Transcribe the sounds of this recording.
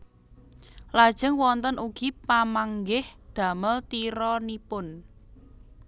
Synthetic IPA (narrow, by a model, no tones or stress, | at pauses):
lad̥ʒ̥ə̤ŋwɔnt̪ənʔuɡ̥ipamaŋɡɪhd̪̥ä̤məlt̪iɾɔnipʊn